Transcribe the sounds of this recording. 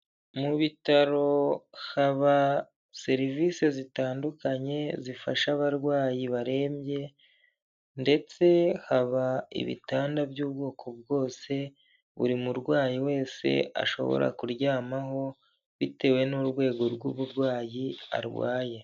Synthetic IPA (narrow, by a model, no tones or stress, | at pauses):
muβitaɾo̞haβa | se̞ɾiviːse̞zitaːndukaɲe̞zifaʃaβaɾɡwaːjiβaɾe̞ːmje̞ | nde̞t͡se̞haβaḭβḭtaːndabjuːbɡo̞ːkʰo̞b̚ɡo̞ːse̞ | βṵɾimuɾɡwaːjiwe̞ːse̞̰a̰ʃo̞̰βo̰ɾa̰kuɾɟaːmaɦo̞ | βite̞we̞nuɾɡwe̞ːɡo̞ɾɡuβuɾɡwaːjia̰ɾɡwa̰ːje̞